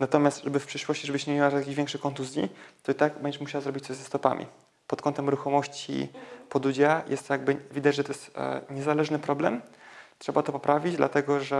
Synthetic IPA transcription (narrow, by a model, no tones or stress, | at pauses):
nat̪ɔmʲjast̪ʐɛbɘfpʂɘʂwɔɕt͡ɕiʐɛbɘɕɲemʲewajakʲiʑvʲɛŋkʂɘkɔnt̪uzʲjḭt̪ɔit̪aɡbɛɲd͡ʑɛmuɕawazɾɔbʲit͡ɕ̚t̪sɔɕʲzɛst̪ɔpa̰mʲḭ | pɔt̪kʰɔnt̪ɛmɾuxɔmɔɕt͡ɕḭpɔd̪ud͡ʑajɛ̰st̪jaɡbɘvʲid̪ad͡ʑʐɛt̪ɔjɛst̪ɲɛzalɛʐnɘpɾɔblɛmtʂɛbat̪ɔpɔpɾavʲid͡ʑd̪lʔa̰t̪ɛɡɔʐɛ